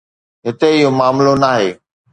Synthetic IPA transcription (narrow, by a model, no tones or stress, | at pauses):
ɦɪt̪eɪɦomaːmlonaːɦeː